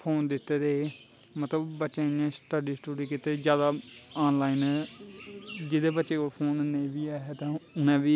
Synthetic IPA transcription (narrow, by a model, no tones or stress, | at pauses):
pʰoːnd̪ɪt̪ːeːd̪eː | mət̪ləbːətːʃãːãːsʈəɖiːsʈoːɾiːkɪt̪ːeːd͡ʒjaːd̪aːaːnlaːinɛː | d͡ʒɪd̪eːbətːʃeːkoːpʰoːnneːʋiːɛːɦɛt̪ãːʊnɛ̃ːʋiː